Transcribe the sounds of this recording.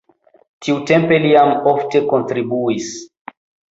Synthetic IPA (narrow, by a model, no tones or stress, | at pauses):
tiutẽmpeliamɔftekontɾibuis